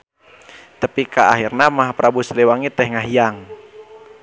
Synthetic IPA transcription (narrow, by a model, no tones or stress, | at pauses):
t̪əpikaa̰ɦirnamaɦapɾabuslewaŋit̪ɛhŋaɦijaŋ